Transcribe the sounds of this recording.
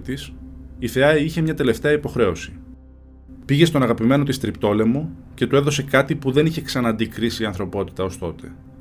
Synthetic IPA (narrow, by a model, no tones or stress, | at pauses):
t̪isiθe̞ɐiçe̞mɲɐt̪e̞le̞ft̪e̞ɐipo̞xɾe̞o̞si̥ | piʝe̞st̪o̞nɐɣɐpime̞not̪ist̪ɾipt̪o̞le̞mo̞ce̞t̪ue̞ðo̞se̞kɐt̪ipuðe̞niçe̞ksɐnɐnd̪ikɾisiɐnθɾo̞po̞t̪i̥t̪ɐo̞st̪o̞t̪e̞